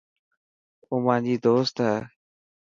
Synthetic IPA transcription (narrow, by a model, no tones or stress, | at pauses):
ʊmãːd͡ʑiːd̪oːst̪ɦɛː